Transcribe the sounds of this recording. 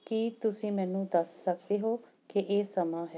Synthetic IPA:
kit̪ʊsĩːmɛ̃ːnũːd̪əsːəkd̪eːɦoː | keʔeːsəmãːɦɛː

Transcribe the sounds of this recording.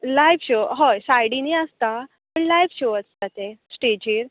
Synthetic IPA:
lajʋɕoɦojsajɽiniəst̪a | pəɳlajʋɕoəst̪at̪esʈed͡ʑiːɾ

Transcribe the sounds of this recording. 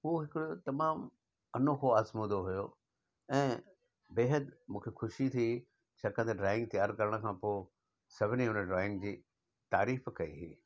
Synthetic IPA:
ɦuːɦɪkɽot̪ɐmaːm | ɐnokʰoaːsmuːd̪oɦujo | ɛ̃ː | beːɦəd̪mũːkʰexʊʃit̪ʰi | t͡ɕʰaːkə̃nt̪eɖɾaːɪ̃ŋɡ̚t̪ijaːɾkɐɾəɽ̃ə̆kʰãːpoː | sɐbʱniʊnəɖɾaːɪ̃ŋɡd͡ʑiː | t̪aːɾiːfkɐḭɦḭː

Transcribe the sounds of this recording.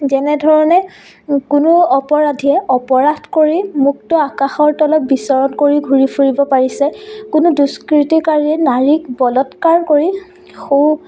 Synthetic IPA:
zɛnɛdʱɔɹɔnɛ | kunʊɔpɔɹadʱiɛʔɔpɔɹadʱkoɹimuk̚tɔakaxɔɹtɔlɔp̚bisɔɹɔnkoɹiɡʱuɹipʰuɹibɔpaɹisɛkʊnuduskɹitikaɹiɛnaɹik̚bɔlɔtkaɹkoɹi | xu

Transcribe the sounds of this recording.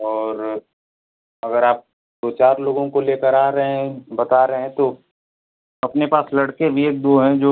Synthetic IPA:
ɔːɾ | ɐɡəɾaːp̚ | d̪oːt͡ʃaːɾloːɡõkoleːkəɾaːɾɐɦẽbɐt̪aɾəɦɛ̃t̪o | ɐpnepaːslɐɽkebʱieːk̚d̪oːɦɛ̃d͡ʒoː

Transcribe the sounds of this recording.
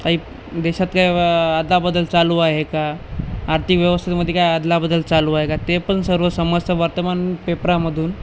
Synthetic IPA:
aɦiː | d̪ɛɕat̪kajad̪labəd̪ːəlt͡saluːaɦekaːɾt̪ʰikʋjəʋəst̪ʰit̪məd̪ʱːjekajad̪labəd̪ːəlt͡saluaɦekat̪epənsəɾʋəsəməd͡zt̪ʰəʋaɾt̪əmanpepɾaməd̪ʱuːn

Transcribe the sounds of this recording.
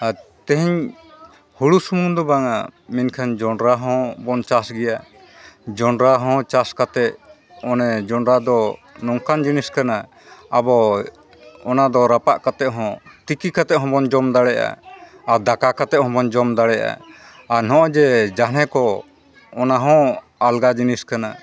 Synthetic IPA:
at̪ɛ̃ɦiɲ | huɽusumũnd̪ɔbaŋaminkʰand͡ʒɔɳɾaɦɔ̃bɔnt͡ʃasɡɛja | d͡ʒɔɳɾaɦɔ̃t͡ʃaskat̪ɛʔ | ɔnɛd͡ʒɔɳɾad̪ɔnɔŋkand͡ʒiniskanaː | bɔ | ɔnad̪ɔɾapaʔkat̪ɛʔɦɔ̃t̪ikikat̪ɛʔɦɔ̃bɔnd͡ʒɔmd̪aɽɛʔa̰ː | ɾd̪akakat̪ɛʔ̚hɦɔ̃bɔnd͡ʒɔmd̪aɽɛʔa̰ | aɾnɔ̃ʔɔd͡ʒɛd͡ʒanɛ̃kɔ | ɔnaɦɔ̃ | alɡad͡ʒiniskana

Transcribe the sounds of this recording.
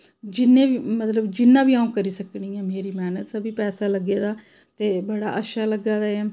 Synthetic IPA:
d͡ʒɪnːẽːʋiːmət̪ləbd͡ʒɪnːãːbiːãːũːkəɾiːsəknĩːɛ̃ːmeːɾiːmɛːnət̪ːbiːpɛːsaːləɡeːd̪aː | t̪eːbəɽa̰ːʔəʃaːləɡaːd̪aːɛː

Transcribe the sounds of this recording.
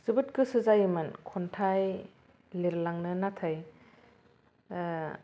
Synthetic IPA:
z̥ɯbɯt̚kɯsɯzajɯmɯnkʰɔntʰaj | liɾlaŋnɯnatʰaj

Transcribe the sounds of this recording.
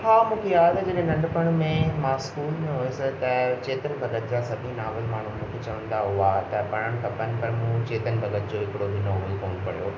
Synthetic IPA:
haːmũːkʰejaːd̪d͡ʑɐɗẽnɐ̃ɳɖpɐɽ̃mẽmãːskuːlmẽɦoːesɪt̪ɐt͡ɕeːt̪ənbʱɐɡət̪d͡ʑasɐbʱĩnaːʋəlmaːɳ̤umũːkʰet͡ɕɐʋə̃nd̪aɦʊʋat̪ɐpɐɽ̃əɽ̃kɐpənɪ̆pɐɾmũt͡ɕeːt̪ənbʱɐɡət̪d͡ʑoːɪkɪɽoʋɪnoːɦkoːñʊpɐɽijoː

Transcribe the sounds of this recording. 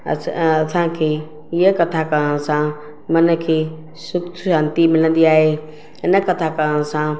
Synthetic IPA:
əsãkʰe | jəkɐt̪ʰakəɾəɽ̃sã | mənkʰeː | sʊkt̪ʰʃãːnt̪imɪlə̃nd̪iaːɦe | ɪnəkɐt̪ʰakəɾəñsã

